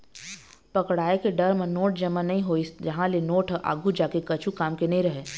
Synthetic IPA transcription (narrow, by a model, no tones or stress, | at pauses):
pɐkɽaːekeɖɐɾmenoːʈ̚d͡ʒɐmːanɐɦĩɦoːisd͡ʒɐɦãlenoːʈʔa̰ːɡʱud͡ʒaːkekɐt͡ʃʰukaːmkenɐɦĩɾɐɦeː